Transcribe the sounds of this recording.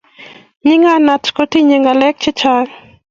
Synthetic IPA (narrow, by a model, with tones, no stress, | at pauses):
ɲɪ˦ŋa˦na˨tko˦ti˦ɲe˨ŋa˨lɛ˦k̚t͡ʃɪ˦t͡ʃa